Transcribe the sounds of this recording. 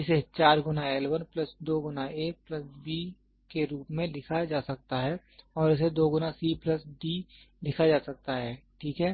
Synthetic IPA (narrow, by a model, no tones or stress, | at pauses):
ɪset͡ʃaːɾɡʊnaeːlʋənplɐsd̪oːɡʊnaeplɐsbi | keɾuːpmẽlɪkʰad͡ʒaːsɐk̚t̪aɦɛː | ɔːɾɪs̬ed̪oːɡʊnasiːpləsɖiː | lɪkʰad͡ʒaːsɐk̚t̪aɦɛːʈʰiːkɦɛː